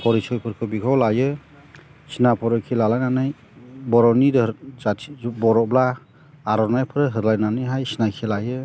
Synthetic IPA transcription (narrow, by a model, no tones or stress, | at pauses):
pʰɔɾisʰɔjpʰɯɾkʰɯbikʰɔwlajɯ | sinapʰɔɾɯkʰilalajnanɯj | bɔɾɔniɾɯɾzatʰibɔɾɔblaː | ɾɔnajpʰɯɾɯɦɯɾlajnanɯjɦajsinakʰilajɯ